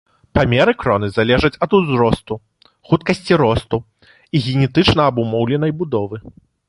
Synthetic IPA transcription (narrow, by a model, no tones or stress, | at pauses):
pamʲɛɾɨkɾɔnɨzalʲɛʐɐt͡sʲɐd̪uzɾɔst̪u | xut̪̚kɐsʲt͡sʲiɾɔst̪u | iɣʲɛnʲɛt̪ɨt͡ʂnɐːbumɔwlʲɛn̪ɐjbud̪ɔvɨ